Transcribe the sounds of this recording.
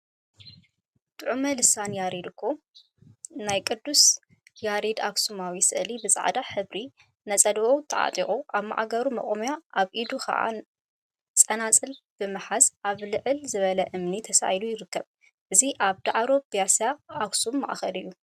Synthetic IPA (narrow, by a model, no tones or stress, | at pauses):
t̪ʼɨʕumɐlɨsanjaɾid̪ɨkʰːo | najkʼɨd̪ːus | jaɾid̪aksumawisɨʔɨlibɨzʼa̰ʕd̪aħɨβɾi | nɐt͡sʼɐd̪βowt̪ʰɐʕa̰t̪ʼiχʼuʔaβma̰ʕa̰ɡɐɾumɐ̰ʔʼomjaʔaβʔid̪ukɐ̰ʔa̰ | t͡sʼɐnat͡sʼɨlb̥ɨmɨħazʔaβlɨʕɨlzɨβɐlɐʔɨmnit̪ʰɐsa̰jlujɪɾɨkːɐβ | ʔɨziʔaβd̪aʕɾo̞bjasjaːksumːɐ̰ʔa̰xɐlɨjːu